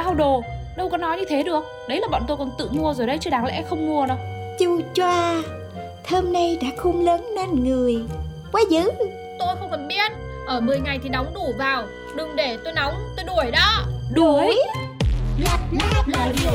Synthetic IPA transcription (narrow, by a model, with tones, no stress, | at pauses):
ɗaː˧wɗo˨˩ɗə˧wkɔ˨˦nɔ˨˦jɲɨ˧t̪ʰe˨˦ɗɨ˨˩ək̚ | ɗə˨˦jlaː˨˩ɓɔ̰ː˧˨nt̪o˧jkɔ˨˩nt̪ɨ̰˧˨mu˧əzo˨˩jɗə˨˦jt͡ɕɨ˧˦ɗaː˨˦ŋlɛ̰˧˥xə˧wŋ͡mmu˧ənɔ˨˦t͡ɕu˧˩t͡ɕwaː˧ | t̪ʰəː˧mnə˧jɗa̰ː˧˥xʊ˧ŋ͡mləː˨˦nne˧nŋɨ˨˩əj | kwaː˨˦zɨ̰˧˥ | t̪o˧jxə˧wŋ͡mfə˨˩nɓi˧ən | ʔəː˧˩mɨ˨˩əjŋa˨˩jt̪ʰi˨˩nɔ˨˦wŋ͡mnu˧˩vaː˨˩w | ɗɨ˨˩ŋɗe˧˩t̪o˧jna˨˦wŋ͡mt̪o˧jɗu˧˩əjɗɔ˨˦ɗu˧˩əj | la˨˩t̚la˦˥laː˨˩